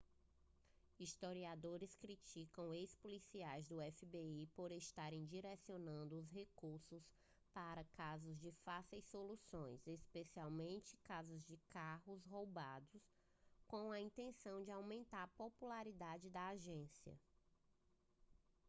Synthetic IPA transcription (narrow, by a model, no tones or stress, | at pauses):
ist̪oɾiad̪oɾɪskɾit͡ʃikɐ̃w̃ejspolisiajzd̪ʊɛfibeipoɾest̪aɾẽj̃d͡ʒiɾɛsionɐ̃nd̪ʊːsɦekuɾsʊs | paɾɐkazʊzd͡ʒɪfasejsːolusõj̃sespesiawmẽnt͡ʃɪ̥kazʊzd͡ʒɪkaɦʊsɦowbad̪ʊs | kõw̃ɐĩnt̪ẽsɐ̃w̃d͡ʒɪawmẽnt̪aɾpopulaɾid̪ad͡ʒɪd̪ɐaʒẽsiɐ̰